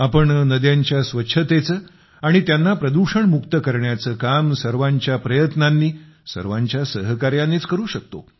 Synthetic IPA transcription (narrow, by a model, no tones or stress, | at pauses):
apəɳnəd̪jaɲt͡ɕjasʋətːɕʰət̪et͡səː | aɽ̃it̪janːapɾəd̪uɕəɳmukt̪əkəɾɳjat͡səːkamsəɾʋaɲt͡ɕjapɾəjət̪nanːiː | sə̰ɾʋaɲt͡ɕjasəɦəkaɾjaneːt͡skəɾuːɕək̚t̪o̰